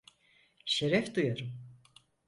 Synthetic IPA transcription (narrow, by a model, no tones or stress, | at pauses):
ʃeɾɛfd̪ujaɾum